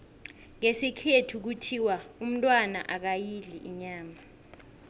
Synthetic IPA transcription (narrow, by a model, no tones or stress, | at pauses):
ŋesikʰetʰuk̬utʰiwaum̩tʼwana̰ʔak̬ajiliʔiɲaːma